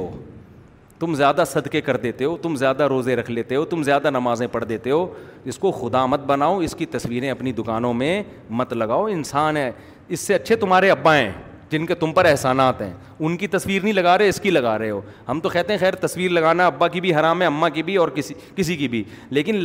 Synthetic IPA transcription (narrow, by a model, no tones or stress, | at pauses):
ɦo̰ː | t̪ʊmzjaːd̪asɐd̪kekɐɾd̪eːt̪eɦoːt̪ʊmzjaːd̪aɾoːzẽɾɐkʰleːt̪eɦoːt̪ʊmzjaːd̪anɐmaːzẽpɐɽd̪eːt̪eɦoː | ɪskoxʊd̪aːmɐt̪̚bɐnaːoɪskit̪ɐswiːɾẽɐpnid̪ʊkaːnõmẽ | mɐt̪lɐɡaːoɪnsaːnɦɛ̃ː | ɪsːeɐtːʃʰet̪ʊmaːɾeɐbːaɦɛ̰̃ː | d͡ʒɪnket̪ʊmpɐɾɛɦsaːnaːt̪ɦɛ̰̃ː | ʊnkit̪ɐswiːɾnɐɦĩlɐɡaːɾɐɛɪskilɐɡaːɾɐɦeɦoː | hɐmt̪okɛːt̪eɦɛ̃xɛːɾt̪ɐswiːɾlɐɡaːnaɐbːakibʱiɦɐɾaːmɦɛ̃ɐmːakibʱiɔːɾkɪsi | kɪsikibʱi | leːkɪn